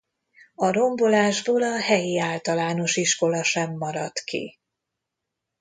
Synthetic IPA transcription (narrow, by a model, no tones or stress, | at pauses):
ɒɾo̞mbo̞laːʒboːlɒhɛjiaːlt̪ɒlaːno̞ʃiʃko̞lɒʃɛmːɒɾɒt̪kḭ